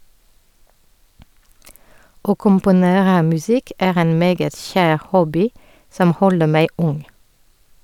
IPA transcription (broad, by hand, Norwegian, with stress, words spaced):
ˈoː kʊmpʊˈneːʁə mʉˈsɪk ˈeːʁ ˈeːn ˈmeːɡət ˈçæːʁ ˈhɔbɪ ˈsɔm ˈhɔlə ˈmæɪ ˈʊŋ